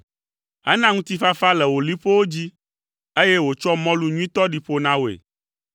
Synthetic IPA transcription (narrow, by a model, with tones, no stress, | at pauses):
ɛ̰˦nã˦ŋũ˦t̪i˦fa˦fa˦lɛ˨wo˨li˦ɸo˦wo˦d͡ʑi˦ | e˦je˦wo˨t͡ʃɔ˦mɔ̃˦lu˨ɲũ˦ĩ˦t̪ɔ˦ɖi˨ɸo˦nã˦wo˨ḛ˨